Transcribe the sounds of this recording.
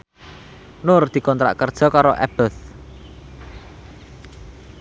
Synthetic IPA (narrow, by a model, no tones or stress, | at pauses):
nʊrd̪̥i̤kɔnt̪ɾa̰ʔkərd̥ʒ̥ɔ̤kaɾɔʔɛ̰b̥əθ